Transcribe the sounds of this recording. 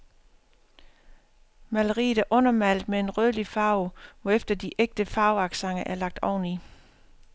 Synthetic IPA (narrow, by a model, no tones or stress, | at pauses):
mæləʁḭːðˠæɐʔɔ̽nɐmæl̰d̥mee̝nʁœðˠlifɑ̈ʊʋɒefd̥ɐd̥iʔeɡ̥̚d̥əfɑ̈ʊɑ̈ɡ̥sɑ̈ŋɐʔæɐlɑ̈ɡ̥̚d̥ɒʊni